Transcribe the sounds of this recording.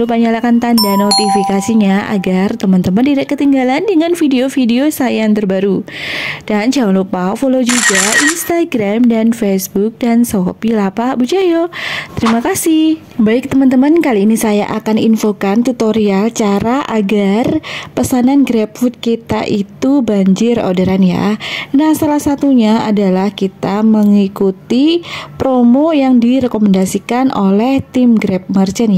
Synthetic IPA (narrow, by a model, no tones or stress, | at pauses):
lupaɲalakant̪andanot̪ifikasiɲaʔa̰ɡart̪əmənt̪əməndiɾɛkkːət̪iŋɡalandəŋanfideofideosajaŋt̪ərbaɾud̥and͡ʒawlopafolod͡ʒuɡaʔinst̪aɡɾamdanfesbuk̚dansopilapabud͡ʒajot̪əɾimakasɪh | baɪk̚t̪əmant̪əmankaliːnisaja̰ʔakaninfokant̪ut̪oɾialt͡ʃaɾaʔaɡarpəsananɡɾɛp̚fut̪̚kit̪a̰ʔit̪ubaɲd͡ʒɪro̰daɾanja̰nahsalahsat̪uɲaadalahkit̪aməŋikut̪ipɾomojaŋdiɾɛkomɛndasikanʔo̰lɛht̪imɡɾɛp̚mərt͡ʃənja